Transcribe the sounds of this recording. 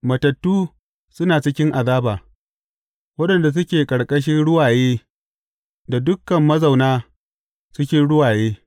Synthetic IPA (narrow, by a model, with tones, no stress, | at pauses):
mɐ˨tɐ˨tːuː˦ | sʊ˦naː˨t͡ʃɪ˦kʲɪ˦ŋʔa˨zaː˦baː˨ | wɐ˦ɗɐ˨nda˨s̬ʊ˦kʲeː˨kʼɐ˨ɽkʼɐ˦ʃ̬ɪ˦nɽʊ˦waː˨jeː˦ | da˨dʊ˦kːɐ˨mːɐ˦zɐ˨wnaː˦ | sʊ˦kʲɪ˦ɽʊ˦waː˨jeː˦